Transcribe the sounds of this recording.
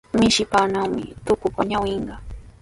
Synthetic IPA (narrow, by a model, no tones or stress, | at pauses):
mɪʃɪpaːnawmɪ̰t̪ʊkʊpaɲawɪɴɢɑ